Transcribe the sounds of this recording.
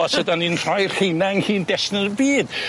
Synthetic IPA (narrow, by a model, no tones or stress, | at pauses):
ɔsədaninr̥ajr̥hejnaŋhiːndɛsnəəbiːd̥